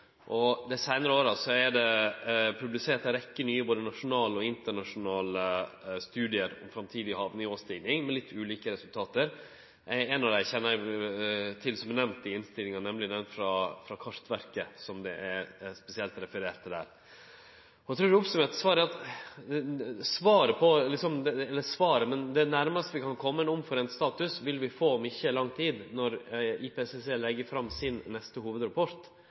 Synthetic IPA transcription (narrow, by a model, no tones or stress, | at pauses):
ʔɔd̪æɪsæɪnəɾəoːɾɑsɔɛɖɛpʰɾʉblɪseːt̪ɑɾɛkːənyːəboːd̪ənɑʂʊnɑːlɔɪnt̪əɳɑʂʊnɑːləst̪ʉːd̪ɪəɾɔ̰mfɾɑmt̪ʰiːd̪ɪhɑːʋnɪoːst̪ɪɡnɪŋmɛlɪt̪ʰːʉːliːkəɾɛsʉlt̪ʰɑːt̪əɾ | ʔæɛnɑʋd̪æɪçɛnːə | t̪ʰɪlsɔmɛnɛʋnt̪ɪɪnst̪ɪlɪŋɑnɛmlɪd̪ɛnfɾɑfɾɑkʰɑʂt̪ʋæɾkəsɔmd̪ɛ̰ʔæɛspɛsɪɛlt̪ɾɛfəɾeːʈ̪ʰːɪld̪æ̰ːɾ | ɔɛt̪ʰɾʉːɖɛɔpsʉmeːt̪sʋɑːɾæɑt̪ | sʋɑːɾəpʰɔlɪksɔmd̪ɛlːəsʋɑːɾəmɛnd̪ɛænæɾməst̪ʋɪkʰɑnkʰɔmːənɔmfɔɾɛnst̪ɑːt̪ʉsʋɪlʋɪfoːɔmɪçːəlɑŋːt̪ʰiːd̪nɔɾɪpʰɛɛsɛseːlɛɡːəɾfɾɑmːsɪnːɛst̪əhuːʋəd̪ɾɑpʰɔɾt̪